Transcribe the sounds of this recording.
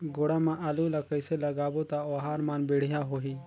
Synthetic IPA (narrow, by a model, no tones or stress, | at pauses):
ɡoɽamãʔɐlulɐkɐjselɐɡaːbot̪aoːɦaːɾmaːnbiɽ̤ijãɦoɦiː